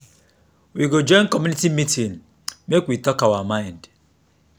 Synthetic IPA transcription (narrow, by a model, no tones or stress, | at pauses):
wiɡod͡ʒɔɪ̃ŋ̩kɔmjunitimitin̩ | mekwitɔkawamaɪ̃nd